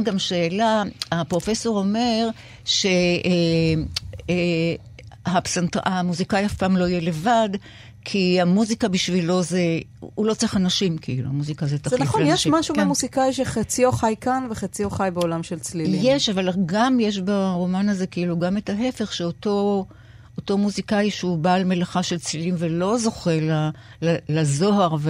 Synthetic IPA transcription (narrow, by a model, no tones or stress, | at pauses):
ɡamʃeːlaapʁo̞feso̞ʁo̞me̞ʁ | ʃe̞ | e | hapsentʁamuzikaiafpaːmlo̞ijele̞vad | kʰihamuzikabiʃvilo̞zeulo̞t͡seχanaʃimkʰḭilṵamuzikazetazenaiχonjeʃmaʃukemuzikaiʃeχat͡sioχajkanveχat͡sioχajbeolamʃelt͡sliijeʃavalɡamje̞ʃ̬baʁo̞manaze̞kiiluɡame̞taɦe̞fe̞χʃeoto̞ | oto̞muzikaiʃeubaːlme̞laχaʃe̞lt͡slilimvelo̞zo̞χela | lalazo̞haʁve